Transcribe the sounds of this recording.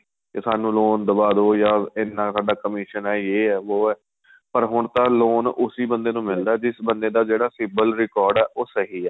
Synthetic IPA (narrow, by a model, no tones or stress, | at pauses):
kesaːnũːloːnd̪əbaːd̪oːjaːɪnːãːsaːɖaːkəmɪʃənɛːjeːɛːʋoːɛː | pəɾɦʊɳt̪ãːloːnʊsiːbənd̪eːnũːmɪld̪aːd͡ʒɪsbənd̪eːd̪aːd͡ʒeːɽaːsɪbəlɾɪkɔːɾɖɛːʔoːsəɦiːɛː